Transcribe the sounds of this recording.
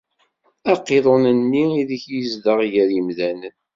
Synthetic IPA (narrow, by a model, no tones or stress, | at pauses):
æqːeðˤonənːiiðiçjəzd̪əʁjəɾəmðænən